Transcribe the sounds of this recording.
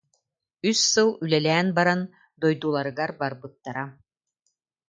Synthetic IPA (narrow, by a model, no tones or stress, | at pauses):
ysːɯlˠylɛlɛːnbaɾan | d̪ɔjd̪uːlˠaɾɯɡaɾbaɾbɯt̪ːaɾa